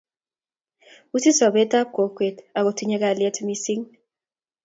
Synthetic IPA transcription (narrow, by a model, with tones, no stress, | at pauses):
u˦si˦sɔ˨bɛ˦ta˦p̚ko˨kwe˨ta˨ko˨tʰu˦ɲɛ˦ka˨ljɛ˦tʰmi˦si˦ŋ